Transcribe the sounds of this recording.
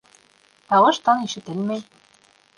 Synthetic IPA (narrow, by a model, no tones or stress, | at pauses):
t̪ɑʁɤ̆ʃt̪ɤ̆niʃɘ̆t̪ɘ̆lmej